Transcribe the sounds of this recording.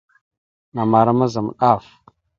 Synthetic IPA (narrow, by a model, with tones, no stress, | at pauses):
na˨ma˨ɾa˦ma˦za˨m˨ɗa˦˨f